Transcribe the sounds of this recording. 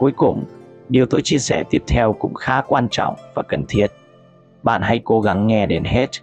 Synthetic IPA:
ku˨˦əjkʊ˨˩ŋ͡mɗi˨˩əwt̪o˨˦jt͡ɕi˧əsɛ˧˩t̪i˦˥əp̚t̪ʰɛ˧wkʊ̰˧˥ŋ͡mxaː˨˦kwaː˧nt͡ɕɔ̰˧˨wŋ͡mvaː˨˩kə˧˩nt̪ʰi˦˥ət̚ | ɓa̰ː˧˨nɦa˧jko˨˦ɣa˨˦ŋːɛ˧ɗe˨˦nɦe˦˥t̚

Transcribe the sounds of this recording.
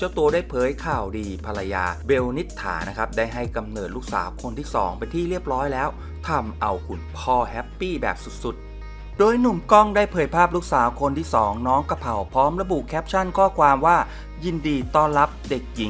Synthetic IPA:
t͡ɕa˦˥˩t̪u˧ɐdaː˥˩jpʰɤː˨˦jkʰaː˨˩wdiː˧pʰa˧la˧ja̰ː˧be˧wni˦˥t̪ʰːa̰ː˩˦na˦˥kʰa˦˥p̚daː˥˩jɦa˥˩jka˧mnɤː˨˩t̪̚luː˦˥k̚sa̰ː˨˩˦wkʰo˧nt̪ʰiː˥˩sɔ̰ː˩˦ŋpa˧jt̪ʰiː˥˩ɾi˥˩əp̚ɾɔː˦˥jlɛː˦˥w | t̪ʰa˧mʔa˧wkʰu˨˩npʰɔː˧˩ɦɛ˦˥pːiː˥˩bɛ̰ː˨˩p̚su˨˩t̪̚su˨˩t̪̚ | doː˧jnu˨˩mkɔ˥˩ŋdaː˥˩jpʰɤː˨˩jpʰaː˥˩p̚lu˦˥k̚saː˩˦wkʰo˧nt̪ʰiː˥˩sɔː˩˦ŋnɔː˦˥ŋka˧pʰa˨˩wpʰɔː˦˥mɾa˧bu˨˩kʰɛː˦˥p̚t͡ɕʰa˥˩nkʰɔː˥˩kʰwaː˧mwaː˥˩ | ji˧ndiː˧t̪ɔː˥˩nɾa˦˥p̚de˨˩k̚ji˩˦ŋ

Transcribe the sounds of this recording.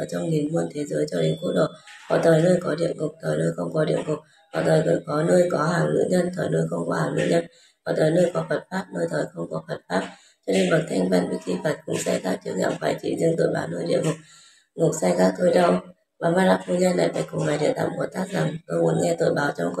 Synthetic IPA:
əː˨˧˩t͡ɕɔ˧wŋ͡mɗi˨˩ŋmu˧ənt̪ʰe˨˦zəː˨˦jt͡ɕɔ˧ɗï˨˩˦ŋ̟ku˦˥ɗo̰˧˨˩hɔ̰˨˧˩t̪ʰəː˨˩jnəː˧jkɔ˨˦ɗḭ˧˨əŋŋʊ˨˩k͡p̚t̪ʰəː˨˩jnəː˧jxə˧wŋ͡mkɔ˨˦ɗḭ˧˨əmŋkʊ˨˩k͡p̚ | hɔ̰˧˩t̪ʰəː˨˩jkkɔ˨˦nəː˧jkɔ˨˦ɦaː˨˩ŋlɨ̰˧˥ɲə˧nt̪ʰəː˨˩jnəː˧jxə˧wŋ͡mkɔ˨˦haː˨˩ŋlɨ̰˧˥ɲə˧n | hɔ˨˩t̪əː˨˩jnəː˧jkɔ˨˦fə˨˩t̚faː˦˥p̚nəː˧jt̪ʰəː˨˩jxə˧wŋ͡mkɔ˨˦fə˨˩t̚faː˦˥p̚ | t͡ɕɔ˧ne˧nɓə˨˩t̚t̪ʰjŋ̟va˧nvi˧˥˦ki˧fə˨˩t̚kʊ̰˧˥ŋ͡msa˧jkaː˦˥k̚t͡ɕɨ˨˦ək̚ɲa̰˧˨wŋ͡mfaː˧˩jt͡ɕḭ˧˩zɨ˧əŋt̪o̰˧˨jɓaː˨˦wnəː˧jɗḭ˧˨əŋʊ˨˩k͡p̚ | ŋʊ˨˩k̚sa˧jkaː˦˥k̚t̪o˧jɗə˧w | maː˨˩maː˧laː˦˥k̚fu˧ɲə˧nːa̰˨˩jɗa̰ː˧˩kʊ˨˩ŋ͡mŋa˨˩jɗḭ˧˨t̪a̰ː˧˨mku˨˧˩t̪aː˦˥k̚zaː˨˩mk̪ə˧mu˨˦ənŋɛ˧t̪o̰˧˨jɓaː˨˦wt͡ɕɔ˧wŋ͡mk

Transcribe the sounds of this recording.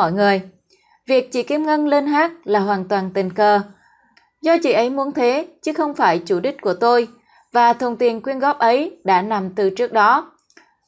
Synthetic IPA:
ɔ̰˧˩jŋɨ˨˩əj | vi˨˩ək̚t͡ɕḭ˧˩ki˧əmŋə˧nle˧nɦaː˦˥k̚laː˨˩hɦwaː˨˩nt̪waː˨˩nt̪ï˨˩ŋ̟kəː˨˩ | zɔ˧t͡ɕḭ˧˩ʔə˨˦jmu˨˦ənt̪ʰe˨˦t͡ɕɨ˨˦xə˧wŋ͡mfaː˧˩jt͡ɕu˧˩ɗï˦˥k̟̚ku˧˩ət̪o˧j | vaː˨˩t̪ʰu˨˩nt̪i˨˩ənkwi˧ənɣɔ˦˥p̚ʔə˨˦jɗa̰ː˧˥na˨˩mt̪ɨ˨˩t͡ɕɨ˦˥ək̚ɗɔ˨˦

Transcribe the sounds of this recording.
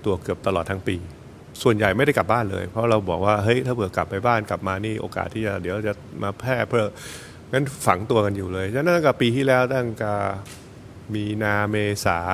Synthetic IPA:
t̪u˧ɐkɯ˨˩əp̚t̪a˧lɔː˨˩t̪ʰa˦˥ŋpiː˧ | su˨˩ənja˨˩jma˥˩dɾa˥˩jkla˨˩baː˥˩nlɤ̰ː˧jpʰɾɔ˦˥ɾa˧wbɔː˨˩k̚waː˥˩ɦɤ˦˥jt̪ʰaː˥˩pʰɯ˨˩əkla˨˩pːa˧jbaː˥˩nka˨˩p̚maː˧niː˥˩ʔo̰ː˧ka̰ː˨˩t̪ʰːiː˥˩t͡ɕa˨˩d̪i˩˦ɾa˧˩t͡ɕa˨˩mʔaː˧pʰɛː˥˩pʰɾɤ˥˩ | ŋa˦˥nfa˩˦ŋt̪u˧ɐka˧njuː˨˩lɤː˧jt͡ɕʰa˥na˦˥˨kaː˥˩piː˧t̪ʰiː˥˩lɛː˦˥wt̪a˥˩ŋka˥˩ | miː˧naː˧meː˧sa̰ː˩˦

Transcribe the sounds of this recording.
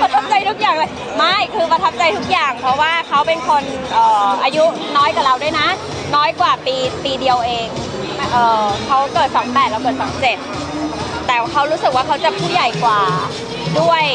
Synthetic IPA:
pɾa˧t̪ʰa˦˥p̚t͡ɕa˧jt̪ʰu˦˥k̚jaː˨˩ŋla˧˩ | ma˥˩jkʰɯː˧pɾa˧t̪ʰa˦˥p̚t͡ɕa˧jt̪ʰu˦˥k̚jaː˨˩ŋpʰɾɔ˦˥waː˥˩kʰa˦˥wpe˧nkʰo˧nʔɤː˨˩ʔaː˧ju˦˥ | nɔː˦˥jka˨˩la˧wdu˥˩jna˦˥ | nɔː˦˥jkwaː˨˩piː˧piː˧di˧ə˧wʔeː˧ŋ | ʔɤː˨˩kʰa˦˥wkɤː˨˩t̪̚sa˩˦mpɛː˨˩t̪̚la˧wkɤː˨˩t̪̚sa˩˦mt͡ɕe˨˩t̪̚ː | ɛː˨˩kʰa˦˥wɾu˦˥sɯ˨˩k̚waː˥˩kʰa˦˥wt͡ɕa˨˩pʰuː˥˩ja˨˩jkwaː˨˩ | du˥˩əj

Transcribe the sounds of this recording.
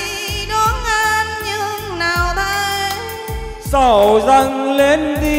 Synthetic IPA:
i˧ | ɗɔ˨˦nʔaː˧nɲɨ˧ŋnaː˨˩wɗə˧j | sə˧˩wza˧ŋle˨˦nɗi˧

